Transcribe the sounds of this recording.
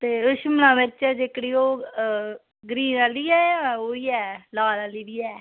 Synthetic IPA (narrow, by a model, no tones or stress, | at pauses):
t̪eːʊʃmnãːʋɪt͡ʃɛːd͡ʒekɽiːoː | ɡɾiːɾaːliːɛːoːiːɛːlaːlaːliːdiːɛː